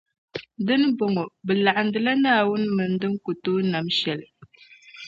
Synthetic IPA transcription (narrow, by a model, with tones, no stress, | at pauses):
dɨ˦nɨ˦bo˨ŋo˨bɨ˨la˨ʔa˨n˨dɨ˨la˦naː˦˨wʊ˦nɨ˦mɨ˨n˦dɨ˦ŋ˦ko˨toː˦na˨mʃɛ˨lɨ˨